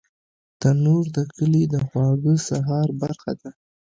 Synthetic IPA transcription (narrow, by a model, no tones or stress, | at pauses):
t̪anuɾd̪əkəlid̪əxwɑɡəsaɦɑɾbaɾxa̰d̪a